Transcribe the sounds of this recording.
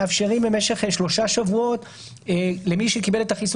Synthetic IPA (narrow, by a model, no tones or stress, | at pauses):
afʃeʁimbemeʃe̞χʃlo̞ʃaʃavuo̞t | lemiʃekibelet̪aχis